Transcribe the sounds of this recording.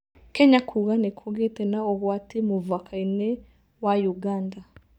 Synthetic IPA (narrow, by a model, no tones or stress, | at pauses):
keɲakʰuɣanekʰoɣetenaoɣwaːtimuvakʰaine | wajuɡaːnda